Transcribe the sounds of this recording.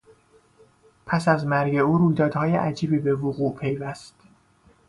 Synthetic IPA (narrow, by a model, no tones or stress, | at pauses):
pʰæsæzmæɾɟe̞uːɾuːjd̪ɒːd̪hɒːjḛʔæd͡ʒiːbiːbe̞voɣuːpʰe̞jvæst̪